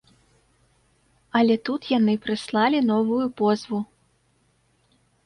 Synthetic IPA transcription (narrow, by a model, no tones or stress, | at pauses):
ɐlʲɛt̪ut̪janɨpɾɨslˠalʲinɔvujupɔzvu